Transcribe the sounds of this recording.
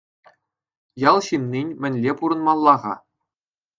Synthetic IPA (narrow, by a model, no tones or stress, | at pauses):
jɑlˠɕimnʲinʲmʲɘ̆nʲlʲepuɾɤ̆nmɑlˠːɑʁɑ̰